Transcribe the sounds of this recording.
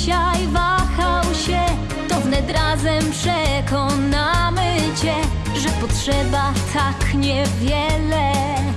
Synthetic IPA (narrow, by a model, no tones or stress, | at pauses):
ɕajvaxawɕɛ | t̪ɔvnɛt̪ɾazɛmpʂɛkɔnamɘt͡ɕɛ | ʐɛpɔtʂɛbat̪ʰakɲɛvʲjɛlɛ